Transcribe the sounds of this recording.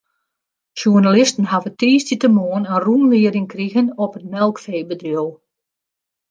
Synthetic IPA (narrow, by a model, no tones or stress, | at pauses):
ʃunalɪstn̩ɦavətiːstitəmoːənənrunʋɪəɾɪŋkriɣənɔpətmɛlˠkfeːbədrjolˠ